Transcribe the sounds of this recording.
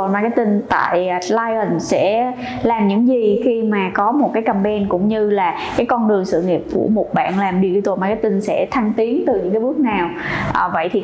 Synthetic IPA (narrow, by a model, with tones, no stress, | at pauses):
maː˨˩kaː˨˦jt̪ï˧ŋt̪a̰ː˧˨jlaː˧jə˨˩nsɛ̰˧˥ | laː˨˩mɲɨ̰˧˥ŋzi˨˩xi˧maː˨˩kɔ˨˦mo˨˩t̚kaː˨˦jkə˨˧˩mɓɛ˧nkʊ̰˧˥ŋ͡mɲɨ˧laː˨˩ | kaː˨˦jkɔ˧nɗɨ˨˩əŋsɨ̰˧˨ŋi˨˩əp̚kṵ˧˩əmo˨˩t̚ɓa̰ː˧˨nlaː˨˩mɗi˧i˧t̪o˨˧˩maː˨˩kaː˨˦jt̪ï˧ŋ̟sɛ̰˧˥t̪ʰa˧ŋt̪i˨˦əŋt̪ɨ˨˩ɲɨ̰˧˥ŋkaː˨˦ɓɨ˦˥ək̚naː˨˩wʔəː˨˩və̰˧˨jt̪ʰi˨˩